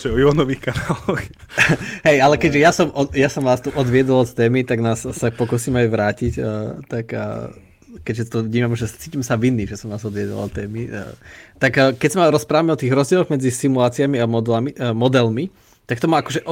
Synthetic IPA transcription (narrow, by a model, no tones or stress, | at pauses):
tɔɛɔiɔnɔʋiːxkanaːlɔx | ɦɛjalɛkɛɟʒɛjasɔmɔjasɔmʋaːst̪uʔɔd̪ʋɪɛd̪ɔlɔt̪t̪ɛːmit̪aɡnaːsːapɔkuːsiːmajʋɾaːcicːt̪ak | kɛɟʒɛt̪ɔʋɲiːmamʒɛt͡siːcimɛsaʋinːiʒɛsɔmnaːzɔd̪ʋɪɛd̪ɔ̰lɔt̪t̪ːɛːmḭ | t̪akkɛcsamaɾɔspɾaːʋamɛɔt̪iːɣɾɔzɟɛlɔɣmɛd͡zisimulaːt͡siamiamɔd̪lamimɔd̪ɛlmi | t̪ak̚t̪ɔmaakɔʒɛʔɔ